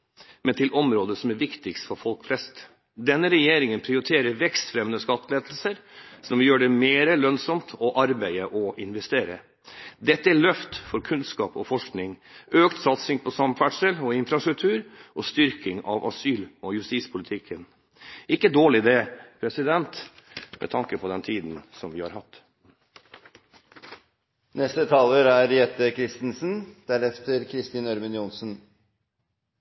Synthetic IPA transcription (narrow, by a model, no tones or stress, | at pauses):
mʔɛnt̪ɪlʔɔmɾoːd̪əsɔmæɾʋɪkt̪ɪkst̪fɔɾfɔlkflɛst̪ | d̪ɛnːəɾɛjeːɾɪŋənpʰɾɪʊɾɪt̪ʰeːɾəɾʋɛkst̪fɾɛmnəskɑt̪ːleːd̪l̩səɾsɔmʋɪjøːɖɛmeːɾəlœnsɔmt̪ʰɔʔɑɾbæɪəʔɔʔɪnʋɛst̪eːɾə̰ | d̪ɛt̪ːəæɭœft̪fɔɾkʰʉnskɑːpɔ̰fɔʂknɪŋʔøːkt̪sɑt̪sɪŋpʰɔsɑmfæʈʂəlɔɪnfɾɑst̪ɾʉk̚t̪ʰʉːɾʔɔst̪ʏɾkɪŋɑ̰ʋʔɑ̰syːlɔjʉst̪iːspʰʊlɪt̪ʰɪkʰːən | ɪkːəd̪oːɭɪd̪eːpʰɾɛsɪd̪ɛnt̪mʔɛ̰t̪ʰɑŋkəpʰɔd̪ɛnt̪ʰiːd̪n̩sɔmʋɪːhɑ̰ɾhɑt̪ː | nɛst̪ət̪ʰɑːləɾæɾjɛt̪ːəkʰɾɪst̪n̩sn̩d̪̥æɾɛft̪əɾkʰɾɪst̪iːnœɾmənjʊnsn̩